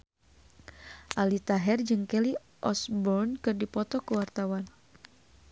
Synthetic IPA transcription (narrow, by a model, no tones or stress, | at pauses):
ʔalit̪aɦɛrd͡ʒɨŋkɛli | ʔɔsbɔrnkɨrdipɔt̪ɔkəwart̪awan